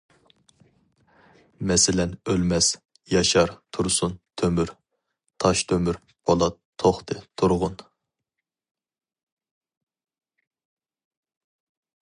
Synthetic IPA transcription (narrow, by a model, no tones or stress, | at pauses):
mɛsɪlɛnølmɛs | jɑʃɑɾt̪ʰuɾsunt̪ʰømyɾ | t̪ʰɑʃt̪ʰømyɾ | bʰolˠɑt̪ʰːoχt̪ʰɨt̪ʰuɾʁʊn